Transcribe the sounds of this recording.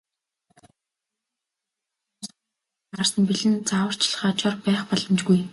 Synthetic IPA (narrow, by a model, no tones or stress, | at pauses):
s | arsə̆npiɮɘ̆nt͡sawə̆r̥t͡ɕɮ̆χaːt͡ɕɔrpæːχpɔɮɞ̆mt͡ɕɡuj